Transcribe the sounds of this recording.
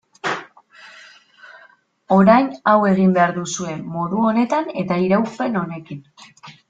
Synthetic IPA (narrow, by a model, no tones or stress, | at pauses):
o̞ɾajnawe̞ɣimbe̞aɾðusue̞ːuɾuo̞ne̞t̪ane̞t̪aiɾawspe̞no̞ne̞kin